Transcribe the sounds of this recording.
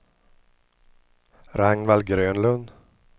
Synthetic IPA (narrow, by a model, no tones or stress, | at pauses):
ɾaŋnvalɡɾøːnlɵnd̪